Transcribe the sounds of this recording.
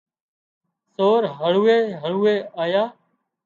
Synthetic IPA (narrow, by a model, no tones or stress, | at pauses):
soːɾɦəɭuːeːɦəɭuːeːaːjaː